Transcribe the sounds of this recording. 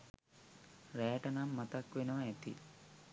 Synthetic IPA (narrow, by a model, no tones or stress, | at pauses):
ɾɛːʈɐnamːɐt̪ɐkʋenəʋɐɛt̪ḭ